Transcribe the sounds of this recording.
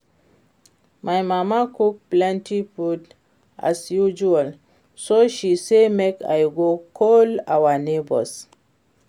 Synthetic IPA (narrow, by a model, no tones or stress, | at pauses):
majmamakuk̚plãntʰifud | ʔa̰sjud͡ʒual | soʃisemeka̰jɡokʰɔlawanebɔ̰s